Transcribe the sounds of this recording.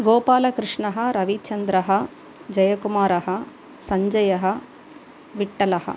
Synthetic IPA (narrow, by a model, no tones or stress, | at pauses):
ɡoːpaːlɐkɾɨʂɳɐɦɐ̆ɾɐʋit͡ʃɐnd̪ɾɐɦɐ | d͡ʒɐjɐkumaːɾɐɦɐ | sɐɲd͡ʒɐjɐɦɐ | ʋiʈːɐlɐhɐ̰